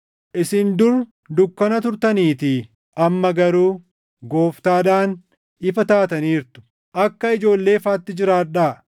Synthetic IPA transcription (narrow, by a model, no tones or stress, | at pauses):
ʔɪsɪnd̪ʊɾ | d̪ʊkːɐnɐt̪ʊɾt̪ɐniːt̪ɪ | ʔɐmːɐɡɐɾuː | ɡo̞ːft̪aːᶑaːn | ɪfɐt̪aːt̪ɐniːɾt̪ʊ̥ | ʔɐkːɐɪd͡ʒo̞ːlːe̞ːfaːt̪ːɪd͡ʒɪɾaːᶑaː